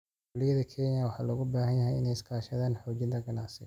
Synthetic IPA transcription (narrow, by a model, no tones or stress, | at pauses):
ʊlɪjɐðɐkʰɛnjɐwɑħɑːlɔːɣʊbaːhɐnjɐɦɛjɪ̰nɛjɪskʰaːʃɐðaːnħɔːt͡ʃɪnt̪ʰɐɡɐnaːsɪ̰